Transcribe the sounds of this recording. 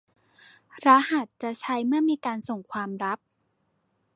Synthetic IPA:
ɾa˦˥ha˨˩t̪̚t͡ɕa˨˩t͡ɕʰa˦˥jmɯ˥˩ɐmiː˧kaː˧nso˨˩ŋkʰwaː˧mɾa˦˥p̚

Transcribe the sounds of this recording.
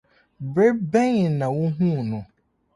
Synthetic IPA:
bɾe˦bɛ˦ɲɪ̃˨nã˨wu˦ɦũ˦˨nʊ̃˨

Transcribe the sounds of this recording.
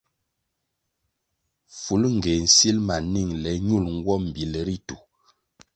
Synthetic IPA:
fu˨˦lŋ̩˨ɡe˨n̩˨si˦lma˨ni˦˨ŋlɛ˨˦ɲu˦˨lŋ̩˦ɡwɔ˦m̩˨bi˨lɛ˨ɾi˦tu˨

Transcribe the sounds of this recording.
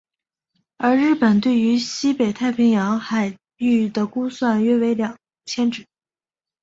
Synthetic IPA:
ə˞˧˥ɻɻ̩˥˩pə˨˩nt̪̬we˥˩ɪy˧˥ɕi˥pe˨˩ɪt̪ʰa˥˩ɪpʰi˧˥ŋjɑ˧˥ŋxa˨˩ɪ | y˥˩d̪ə˩ku˥swa˥˩nɥɛ˥we˧˥ɪljɑ˨˩ŋ | t͡ɕʰjɛ˥nʈ͡ʂɻ̩˨˩˦

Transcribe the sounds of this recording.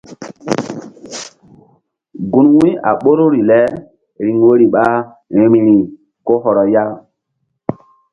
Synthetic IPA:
ɡu˨nwĩ˦a̰˨ɓo˦ɾo˦ɾi˨lɛ˦ | ɾi˨ŋwo˦ɾi˨ɓa˦ | ɾi˨ɾi˨ɾi˨ | ko˦ɦɔ˨ɾɔ˨ja˦

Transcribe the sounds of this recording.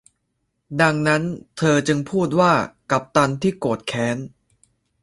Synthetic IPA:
da˧ŋna˦˥nt̪ʰɤː˧t͡ɕɯ˧ŋpʰuː˥˩t̪̚waː˥˩ka˨˩p̚t̪a˧nt̪ʰiː˥˩koː˨˩t̪̚kʰɛː˦˥n

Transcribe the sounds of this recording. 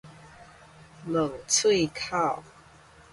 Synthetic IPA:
lə˨˩ŋt͡sʰwe˥˧ɪkʰa˥˩˨ʊ

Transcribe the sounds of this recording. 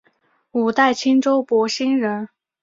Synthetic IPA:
u˨˩t̪a˥˩ɪt͡ɕʰi˥nʈ͡ʂo˥ʊpwɔ˧˥ɕi˥nɻə˧˥n

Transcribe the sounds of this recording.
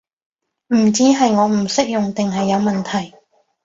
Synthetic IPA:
m̩˨˩t͡siː˨˥ɦɐ˨jŋɔː˨˧m̩˨˩sɪ˥k̚jʊ˨ŋt̪ɪ˨ŋɦɐ˨jːɐ˨˧wmɐ˨nt̪ʰɐ˨˩j

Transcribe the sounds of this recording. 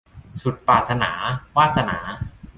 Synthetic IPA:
su˨˩t̪̚paː˨˩t̪̚sa˧na̰ː˩˦waː˥˩t̪̚sa˧na̰ː˩˦

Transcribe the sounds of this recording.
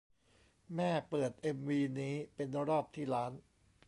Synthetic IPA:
mɛː˥˩pɤː˨˩t̪̚ʔe˧mwiː˧niː˦˥pe˧nɾɔː˥˩p̚t̪ʰiː˥˩ɾaː˦˥n

